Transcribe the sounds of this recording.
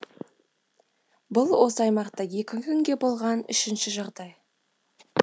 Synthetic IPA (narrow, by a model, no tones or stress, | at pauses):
bʊlˠwo̞səɑjmɑqt̪ɑje̞kʲɪkʲʰʏŋɡʲe̞bo̞lˠʁɑnʏ̰ʃɪnʃɪʒɑʁd̪ɑj